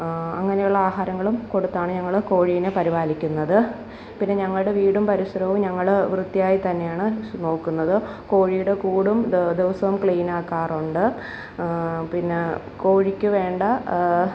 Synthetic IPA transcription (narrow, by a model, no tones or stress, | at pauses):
ɐ̰ŋːɐnejuɭːɐaːɦaːɾɐŋːɐɭumko̞ɽut̪ːaːɳɨɲɐŋːɐɭko̞ːɻiʋinepɐɾibaːlikʲːunːɐðɨ | pinːe̞ɲɐŋːɐɭɨɽe̞ʋiːɽumpɐɾiɕrɐʋumɲɐŋːɐɭʋrɨt̪ːijaːjit̪ɐnːe̞jaːɳɨno̞ːkːunːɐðɨko̞ːɻijuɽe̞kuːɽumd̪eʋɐsɐʋumkɭijnaːkːaːruɳɖɨ | pinːe | ko̞ːɻikʲːɨʋe̞ːɳɖɐ